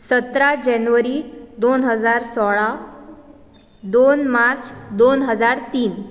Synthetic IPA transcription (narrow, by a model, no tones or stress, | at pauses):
sət̪ɾad͡ʑɛnʋəɾid̪onɦəd͡zaɾsɔɭa | d̪onmaɾt͡sd̪onɦəd͡zaɾt̪iːn